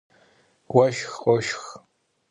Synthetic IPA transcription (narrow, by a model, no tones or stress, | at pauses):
ɡʷɐʃxqʼɔʃx